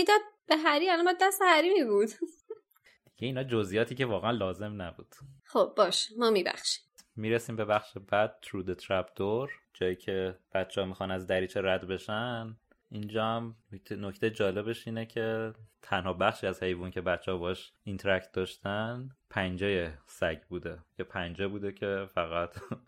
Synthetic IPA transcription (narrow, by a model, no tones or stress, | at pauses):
mid̪ɒd̪̚b̥eɦæɾiælɔmbæd̪ːæst̪ehæɾiːmibud̪ | d̪̥iɟ̥e̞iːnɒːd͡ʒozʔijɒːt̪ʰiːcʰe̞vɒːɣeænlɒːze̞mnæbuːd̪̥χobːɒːʃe̥mɒːmibæ̰χʃi̥mmiːɾesiːmbe̞bæxʃebæd̪̥̚t̪ʰɾuːd̪et̪ʰɾæbd̪oɾd͡ʒɒːjiːcʰe̞b̥æt̪t͡ʃʰːɛhɔmixɒːnæzd̪æɾiːt͡ʃʰeɾæd̪be̞ʃæn | ʔind͡ʒɒːhæmʰenoct̪ʰejed͡ʒɒːle̞be̞ʃiːnecʰe̞t̪ʰænhɒːbæxʃiːæzhe̞jvuːncʰe̞bæt̪t͡ʃʰːehɒbɒhɔʃint̪ʰɾæct̪̚d̪ɒːʃt̪ænpʰænd͡ʒejesæɟbuːd̪e̞jepʰænd͡ʒebuːd̪ecʰe̞fæɣæt̪ʰ